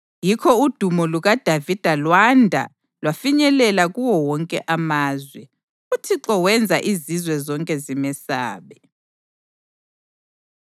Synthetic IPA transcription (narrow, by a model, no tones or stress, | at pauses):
jikʰɔud̥ʱumɔluɣad̥ʱavid̥ʱalwandʱa̰ | lwafiɲɛlɛlaɣuwɔwɔŋkʼɛ̰ʔamaːzwɛ | utʰiǁɔwɛnd͡zʱaʔizizwɛzɔŋkʼɛzimɛsa̰ːβɛ